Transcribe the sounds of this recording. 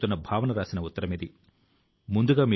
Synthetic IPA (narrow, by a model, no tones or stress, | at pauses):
t̪unːɐbʱaːʋɐnɐɾaːsinɐut̪ːɐɾɐmid̪i | mund̪uɡaːmi